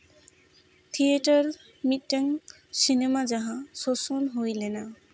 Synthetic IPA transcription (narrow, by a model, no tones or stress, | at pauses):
t̪ʰieʈɔɹ | mitːaŋ | sinemazaɦãsɔsɔnɦojlɛna